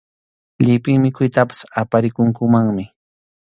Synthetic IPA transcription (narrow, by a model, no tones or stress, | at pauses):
ʎɪpɪŋmɪkʊjt̪apḁsapaɾɪkʊŋkʊmaŋmɪ